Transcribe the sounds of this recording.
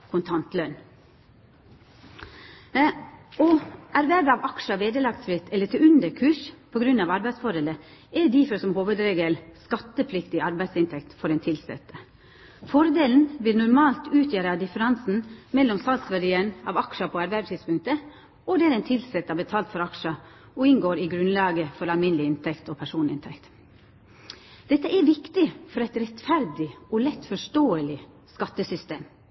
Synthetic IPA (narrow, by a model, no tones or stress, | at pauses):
kʰʊnt̪ʰɑnt̪lœn | ɔæɾʋæɾʋɑʋɑkʂɑʋeːd̪əlɑkt̪sfɾɪt̪ʰɛlːət̪ʰɪʉnd̪əɾkʰʉːʂpʰɔɡɾʉnːɑʋɑɾbæɪsfɔɾhɛːlə | ɛɖiːfɔɾsɔmhoːʋəd̪ɾeːɡəlskɑt̪ːəpʰlɪkt̪ɪɑɾbæɪsɪnt̪ʰɛkt̪fɔɾɛnt̪ʰɪlsɛ̰t̪ːə | fɔɾd̪eːln̩ʋɪlnʊɾmɑːlt̪ʉːt̪ʰjæːɾɑd̪ɪfəɾɑnsn̩mɛlːɔmsɑlt̪sʋæɖiːəɳɑ̰ʋɑkʃəpʰoːæɾbæɾt̪ʰiːspʉŋkt̪ə | ɔd̪ɛæɾɛnt̪ʰɪlsɛt̪ːɑbət̪ʰɑːlt̪fɔɾɑkʂə | ɔɪŋɡoːɾɪɡɾʉnlɑːɡəfɔɾɑlmɪnəlɪɪnt̪ʰɛkt̪ɔːpʰæʂuːnɪ̰nt̪ʰɛkt̪ | d̪̥ɛt̪ːəʔɛʋɪkt̪ɪfɔɾɛɪt̪ɾɛt̪fæɾd̪ɪɔlɛt̪ːfɔʂtoːəlɪ | skɑt̪ːəsʏst̪eːm